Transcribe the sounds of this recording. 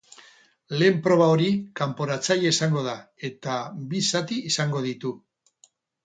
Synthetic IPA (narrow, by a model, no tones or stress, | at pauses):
le̞ːmpɾo̞β̞ao̞ɾikampo̞ɾat͡sajeisaŋɡo̞ð̞ae̞t̪abisat̪iːsaŋɡo̞ð̞it̪u